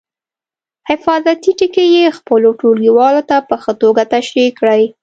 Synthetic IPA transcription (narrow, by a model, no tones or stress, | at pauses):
hɪfɑzat̪iʈikejexpəloʈolɡiwɑlot̪apəxət̪oɡat̪aʃɾikːɽəj